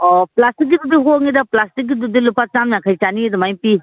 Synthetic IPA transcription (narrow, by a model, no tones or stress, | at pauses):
ɔplastik̚ɡid̪udiɦoŋid̪aplastik̚ɡid̪ud̪ilupat͡ʃamnakʰajt͡ʃaniidɔmajpi